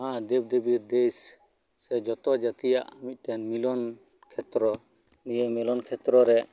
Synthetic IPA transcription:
ɦãd̪ɛb̚d̪ebiɾd̪es | sɛd͡ʒɔt̪ɔd͡ʒat̪ija̰ʔamit̪̚ˀt̪ɛnmilɔnkʰɛt̪ɾɔnijəmilɔnkʰɛt̪ɾɔɾɛ

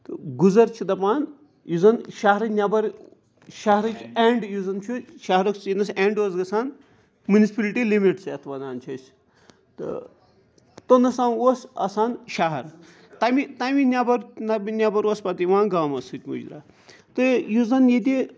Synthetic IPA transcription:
t̪ɨɡuzɐɾt͡ʃʰid̪ɐpaːn | juzɐnʃaɦɾɐnʲabɐɾ | ʃaɦɐɾɐt͡ʃʲeɳɖjuzɐnt͡ʃʰuʃaɦɐɾoksinɐseːɳɖoːzɡɐsaːn | munisʲpɐliʈilimiʈset̪ʰbɐnaːnt͡ʃʰɐsʲ | t̪ɨ̰ | t̪onɐsaːnosɐ̰saːnʃaɦɐɾ | t̪ɐmit̪aminʲabɐɾnɐbinʲabɐɾospɐt̪iʋãːnɡaːmɐsɨt̪ʲmṵd͡ʒɾa̰ː | t̪ɨjuzɐnjed̪i

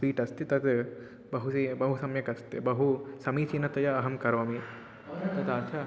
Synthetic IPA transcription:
ʋiːʈɐst̪it̪ɐt̪ | bɐɦusibɐɦusɐmjɐkɐst̪ibɐɦusɐmiːt͡ʃinɐt̪ɐjɐːɦɐmkɐɾʋɐmi | t̪ɐt̪at͡ʃʰa

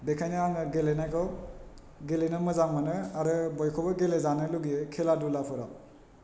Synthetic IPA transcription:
bekʰajnɯaŋɯɡelenajkʰɔw | ɡelenɯmɯzaŋmanɯaɾɯbɔjkʰɔbɯɡelezanɯluɡikʰeladulapʰɯɾaw

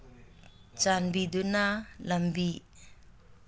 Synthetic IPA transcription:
t͡ʃanbid̪unalambi

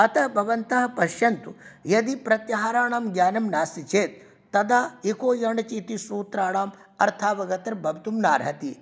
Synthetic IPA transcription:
ɐt̪ɐbʱɐʋɐnt̪ɐɦɐpɐʃjɐnt̪ujɐd̪ipɾɐt̪jɐɦaːɾaːɳaːmɡjaːnɐmnaːsit͡ʃeːt̪̚ː | ɐd̪aːikoːjɐɳɖɐt͡ʃiːt̪isuːt̪ɾaːɽaːmɐɾt̪ʰaːʋɐɡɐt̪ɐɾbʱɐbt̪umnaːɾɦɐt̪i

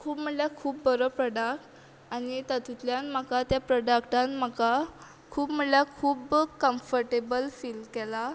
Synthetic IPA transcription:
kʰuːpm̤əljakʰuːpbəɾɔpɾɔɖakʈ | anit̪at̪ut̪ljãnmakat̪japɾɔɖakʈãnm̤aka | kʰuːpm̤əljakʰuːbkəmfəɾʈebəlfilmkɛla

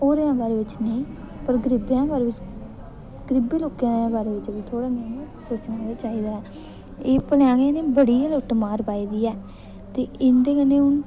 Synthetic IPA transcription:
oːɾejãːbaːɾeːʋɪt͡ʃnəĩː | pəɾɡəɾɪbjãːbaːɾeːʋɪt͡ʃ | ɡəɾɪbeːloːkjãːbaːɾeːʋɪt͡ʃʋit̪ʰoːɽaːmẽːiːsoːt͡ʃnãːd̪eːt͡ʃaːɦiːd̪aːɛː | eːpəljãːɡeneːbəɽiːloʈmaːɾpaːiːd̪iːɛː | t̪eːʔɪnd̪eːkənːẽːʊn

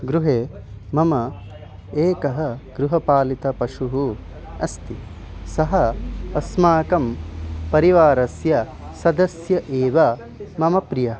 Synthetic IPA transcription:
ɡɾuɦeːmɐmɐ | eːkɐɦɐ̆ɡɾuɦɐpaːlit̪ɐpɐʃuɦu | ɐst̪i | sɐɦɐɐsmaːkɐmpɐɾiʋaːɾɐsjɐ | sɐd̪ɐsjɐʔeːʋɐ | mɐmɐpɾijɐ

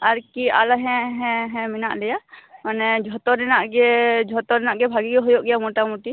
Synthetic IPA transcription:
aɾkialaɦɛ̃ɦɛ̃ɦɛ̃mina̰ʔlɛjamanɛd͡ʒʱɔt̪ɔnɛnaʔɡɛd͡ʒʱɔt̪ɔɾɛnaʔɡɛbʱaɡiɡɛɦɔjɔʔɡɛjamɔʈamuʈi

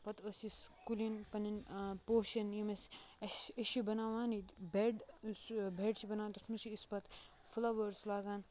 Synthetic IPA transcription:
pɐt̪ɐsiskulinpɐninpoːʃɐnjimɐsɐsɐʃibɐnaːʋaːnit̪beɖsbʱeɖsibɐnaːnt̪ɐt̪ʰmusiːspɐt̪ | fulɐʋɐɾslaːɡaːn

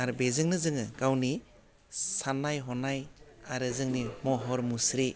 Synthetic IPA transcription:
aɾbezɯŋnɯzɯŋɯɡawni | sanːajɦɔnajaɾɯzɯŋnimɔɦɔɾmusɾi

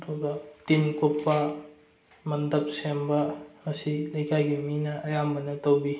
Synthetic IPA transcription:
tuɡɐtinkupːɐ | mɐndɐp̚sembɐmɐsilɐjkʰajɡiminɐʔːjambɐnɐtɐwbi

